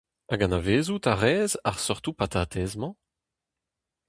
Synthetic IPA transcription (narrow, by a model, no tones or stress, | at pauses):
ʔaɡãnaveːzut̪aʁɛːzaʁsɔʁt̪upat̪ʰaːt̪ʰɛːzmɑ̃